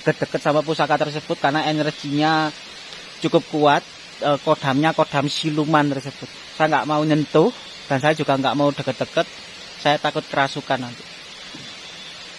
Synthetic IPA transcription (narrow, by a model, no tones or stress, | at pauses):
də̥ɡət̪̚d̪̥ə̤kət̪̚samap̬usakat̪ərs̬əb̥ʊ̤t̪̚karnaɛnrə̥t͡ʃiɲa | t͡ʃukʊp̚kuwat̪̚ | əkoɖ̥a̤mɲakoɖ̪̥a̤msilumant̪ərsəb̥ʊt̪̚sajaŋɡaʔmauɲənt̪ʊh | d̥a̤nsajḁd͡ʒ̥ṳɡ̥aŋɡa̰ʔmaud̪̥ə̤kət̪̚d̥̪əkət̪̚ | sajat̪akʊt̪̚kəɾasukanːant̪u̥